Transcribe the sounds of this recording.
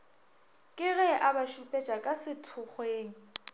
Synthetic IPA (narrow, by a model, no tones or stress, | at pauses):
kʼɪɣɛʔabaʃupʼɛt͡ʃʼakʼasɪtʰʊχweːŋ̩